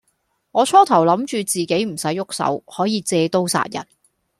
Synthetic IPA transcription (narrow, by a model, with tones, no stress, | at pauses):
ŋɔː˨˧t͡ʃʰɔː˥t̪ʰɐ˨˩wlɐ˨˥mt͡ʃyː˧t͡siː˨ke˨˥jm̩˨˩sɐ˨˥jːʊ˥k̚sɐ̰˨˥whɔː˨˥jiː˨˧t͡sɛː˧t̪o˥wsa̰ː˧t̚jɐ̰˨˩n̚